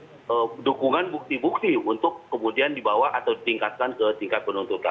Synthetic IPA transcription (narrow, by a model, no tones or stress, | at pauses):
ədukuŋanbuk̚t̪ibuk̚t̪iunt̪ʊkːəmudiandibawaʔat̪awdit̪iŋkat̪̚kankət̪iŋkat̪̚pənunt̪ut̪a̰n